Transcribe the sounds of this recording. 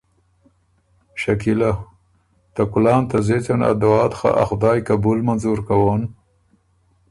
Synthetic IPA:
ʃakila | t̪akʊlɑːnt̪azet͡sana̰d̪awɑːt̪xa̰ʔa̰xʊd̪ɑːjkabulmanzuɾkawon

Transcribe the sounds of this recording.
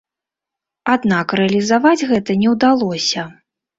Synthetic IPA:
ad̪nakrɛɐlʲizavad͡zʲɣɛt̪ɐnʲɛwd̪alˠɔsʲɐ

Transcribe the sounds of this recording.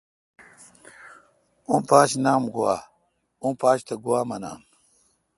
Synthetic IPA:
ũːpaːɕnaːmɡuwa̰ː | ũːpaːɕt̪ɐɡuwaːmɐna̰ːm

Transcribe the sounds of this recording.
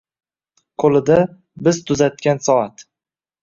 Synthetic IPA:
qʰolɪd̪a | bɪzt̪ʰʊzat̪̚kʲansɒat̪

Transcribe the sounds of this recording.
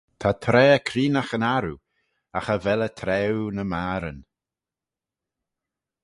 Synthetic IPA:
t̪ʰat̪ʰɾɛːəkʰɾiːnaxənaɾu | axəvɛlət̪ʰɾɛwnəmaːɾən

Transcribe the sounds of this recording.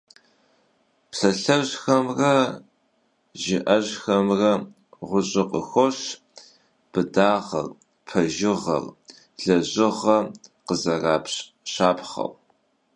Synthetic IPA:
psɐɬɐʑxɐmrɐ | ʒɪʔɐʑxɐmrɐ | ʁʷʊɕʼɪqəxʷoɕ | b̥ɨdaːʁɐ̰r | pʰɐʒɪʁɐ̰r | ɮɐʑɪʁɐqəzɐraːpɕʼ | ɕaːpʰχɐ̰w

